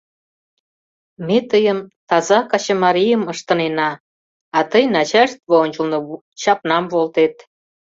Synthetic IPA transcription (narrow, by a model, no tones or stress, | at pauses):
met̪əjəmt̪ɑzɑkɑt͡ɕəmɑɾijəməʃt̪ə̆nenɑ | ɑt̪əjnɑt͡ɕæʃt̪βoonʲt͡ɕə̆lno | t͡ɕɑpnɑmβolt̪et̪